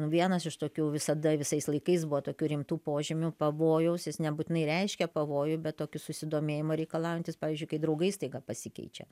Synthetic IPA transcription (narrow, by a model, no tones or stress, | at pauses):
nʊʋʲiɛnɐsɪʃt̪oːkʲuːʋʲɪsɐd̪ɐʋʲɪsɐɪslˠɐɪkɐɪsbʊʋoːt̪oːkʲuːɾʲɪmt̪uːpoːʒʲɪmʲʊpɐʋoːjɛʊsjɪsnʲɛbuːt̪ʲɪnɐɪɾʲɛɪʃʲkʲɛpɐʋoːjʊbʲɛt̪t̪oːkʲʊsʊsʲɪd̪oːmʲeːjɪmoːɾʲɛɪkɐlˠɑʊjɪnʲt̪ʲɪspɑːʋʲizʲd͡ʒʲʊɪkɐɪd̪ɾɐʊɡɐɪst̪ɐɪɡɐpɐsʲɪkʲɛ̰ɪt͡ʃʲɛ̰